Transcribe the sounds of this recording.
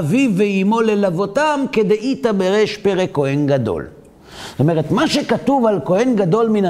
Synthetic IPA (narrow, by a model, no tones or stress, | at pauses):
viveimo̞lelavo̞tamked̪ejit̪abeʁeʃpeʁeko̞henɡad̪o̰l | zt̪ome̞ʁet̪maʃe̞katuvalko̞he̞nɡad̪o̞lmina